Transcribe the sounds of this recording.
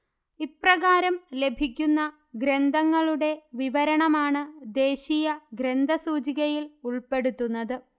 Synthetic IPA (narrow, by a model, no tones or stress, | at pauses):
iprɐɣaːɾɐmle̞bʱikʲːunːɐ | ɡɾe̞nd̪ʱɐŋːɐɭuɽe̞ʋiʋɐɾɐɳɐmaːɳɨd̪e̞ːɕijɐɡɾe̞nd̪ʱɐsuːt͡ɕiɣɐjiluɭpe̞ɽut̪ːunːɐðɨ